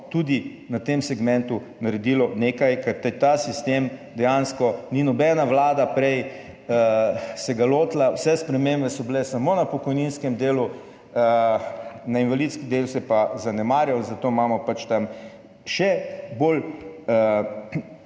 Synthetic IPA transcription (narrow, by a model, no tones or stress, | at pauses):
t̪ud̪i | nat̪emsɛɡmɛ̃nt̪u | naɾɛd̪iːlɔneːkajkɛɾt̪ɛt̪asist̪emd̪ɛjanskɔninɔbɛnaʋlaːd̪apɾɛj | əsɛɡaloːt̪lawsɛspɾɛmembɛsɔbilɛsɐmonapɔkɔjninskɛmd̪eːlu | ə | nainʋalit̪skid̪elsɛpazanɛmaːɾjawzɐt̪oːmamɔpat͡ʃt̪am | ʃɛbolə